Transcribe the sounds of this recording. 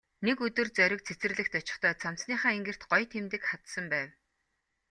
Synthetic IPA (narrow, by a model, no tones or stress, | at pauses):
nekɵt̪ɵ̆rt͡sœɾʲɪ̆k̚t͡sʰet͡sɘ̆rɮɘ̆xt̪ɔt͡ɕɪ̥̆χt̪ʰœːt͡sʰam̥t͡sniːχaːeŋɡɘ̆r̥t̪ɢɔjt̪ʰemt̪ɘ̆kχat̪sə̆mpæːw